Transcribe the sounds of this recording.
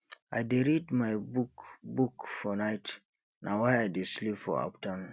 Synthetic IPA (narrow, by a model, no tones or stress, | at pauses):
ajdeɹidmajbukbukfɔnaɪt | nawajajdeslipfɔ̰a̰ptʰãm